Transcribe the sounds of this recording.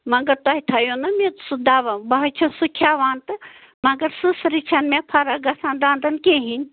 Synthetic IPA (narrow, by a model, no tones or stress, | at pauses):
mɐɡɐɾt̪aɦit̪ʰɐjonɐmesud̪aːʋɐbɐɦɐt͡ʃʰɐsukʰjaːʋaːnt̪ɨ | mɐɡɐɾsɨsɾit͡ʃʰɐnmẽpʰɐɾɐɡɐsãːnd̪aːnd̪ɐnkeːɦinʲ